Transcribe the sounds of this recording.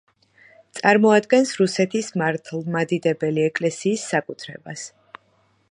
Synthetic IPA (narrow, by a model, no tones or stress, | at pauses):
t̪sʼaɾmɔad̪ɡɛnsɾusɛt̪ʰismaɾt̪ʰlˠmad̪id̪ɛbɛliɛkʼlɛsiːsːakʼut̪ʰɾɛ̰bas